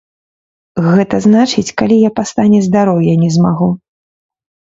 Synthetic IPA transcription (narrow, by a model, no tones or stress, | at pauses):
ɣɛt̪ɐznat͡ʂɨt͡sʲkalʲijapast̪anʲɛzd̪aɾɔwjanʲɛzmaɣu